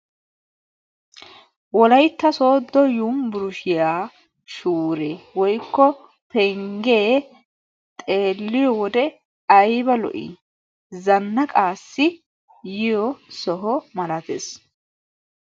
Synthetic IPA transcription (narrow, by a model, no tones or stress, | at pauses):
wɔlɐjt̪ːɐsoːd̪ːɔjumbʊɾʊʃɪjaː | ʃuːɾeːwɔjkːɔ | pɛŋɡeː | t̪ʼe̞ːlːɪjɔwɔd̪ɛ | ɐjbɐlɔ̰ʔḭ | zɐnːɐkʼaːsːɪ | jɪjɔsɔɦɔmɐlɐt̪ḛs